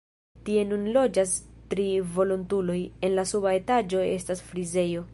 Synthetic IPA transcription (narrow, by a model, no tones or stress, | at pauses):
tie̞nunlo̞d͡ʒastɾivo̞lontulo̞je̞nlasubae̞tad͡ʒo̞e̞̰stasfɾize̞jo̞